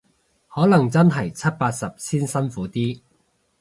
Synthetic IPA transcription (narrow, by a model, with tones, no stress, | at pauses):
hɔː˨˥lɐ˨˩ŋt͡sɐ˥nɦɐ˨˩jt͡sʰɐ˥t̚paː˧t̚sɐ˨p̚siː˥nsɐ˥nfuː˨˥t̪iː˥